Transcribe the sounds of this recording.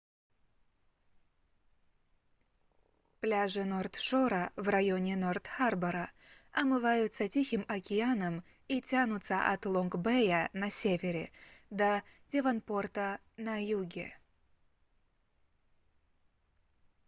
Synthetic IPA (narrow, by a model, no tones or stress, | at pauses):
plʲaʐɨnort̪ʂoɾəvrɐjonʲɪnort̪xarbɐɾə | ɐmɨvajʊt̪sətʲixʲɪmɐkʲɪanəm | itʲanʊt̪səʔɐ̰t̪lˠoŋkbɛjənɐsʲevʲɪɾʲɪ̰d̪ɐdʲɪvɐnpo̞rt̪ə | nɐjuɡʲɪ̰